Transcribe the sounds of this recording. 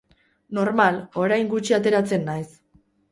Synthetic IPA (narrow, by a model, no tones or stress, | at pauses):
no̞ɾmalo̞ɾajŋɡut͡ʃiat̪e̞ɾat͡se̞nːajs